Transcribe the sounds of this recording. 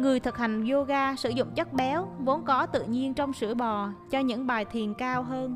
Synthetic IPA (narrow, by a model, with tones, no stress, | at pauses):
ŋɨ˨˩əjt̪ʰɨ˨˩k̚ha˨˩jŋ̟zo˧ɣaː˧sɨ̰˧˩zʊ̰˧˨ŋ͡mt͡ɕə˦˥t̚ɓɛ˨˦wvo˨˦nkɔ˨˦t̪ɨ̰˧˨ɲi˧ənt͡ɕɔ˧wŋ͡msɨ̰˧˩əɓɔ˨˩t͡ɕɔ˧ɲɨ̰˧˥ŋɓaː˨˩jt̪ʰi˨˩ənkaː˧wɦəː˧n